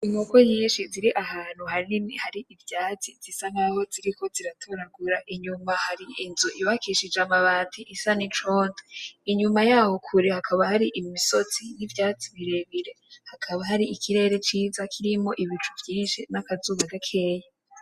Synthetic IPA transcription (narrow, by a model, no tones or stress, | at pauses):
imukoɲiːnʃiziɾiʔaɦaːn̥huhaɾihaɾiivjaːt͡siz̥isanaho̞ziɾikʰo̞ziɾatʰoɾaɡuɾaʔiɲumahaɾiinzuʔiwakiʃid͡ʒamaβaːtʰiʔisanit͡ʃoːndoiɲumajaːho̞kʰuɾihakʰaβahaɾiʔimiso̞t͡sinivjaːt͡siβiɾe̞βiɾe̞hakʰaβaɦaɾiʔikʰiɾe̞ːɾe̞t͡ʃiːzakʰiɾimo̞ʔiβit͡ʃuvjiːnʃinakazuβaɡakʰe̞ːja